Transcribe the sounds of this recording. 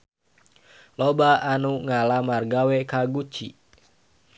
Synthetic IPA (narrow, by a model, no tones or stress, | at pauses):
lobaanuŋalamarɡawɛkaɡut͡ʃi